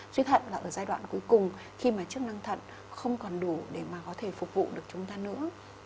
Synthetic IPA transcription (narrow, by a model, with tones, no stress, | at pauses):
swi˧t̪ʰə̰˧˨nlaː˨˩ʔəː˧˩zaː˧jɗwa̰ː˧˨nku˨˦jkʊ˨˩ŋ͡m | xi˧maː˨˩t͡ɕɨ˦˥ək̚na˧ŋt̪ʰə̰˧˨n | xə˧wŋ͡mkɔ˨˩nɗu˧˩ɗe˧˩maː˨˩kɔ˨˦t̪ʰe˧˩fʊ˨˩k͡p̚vṵ˧˨ɗɨ˨˩ək̚t͡ɕʊ˨˦ŋ͡mt̪aː˧nɨ̰˧˥ə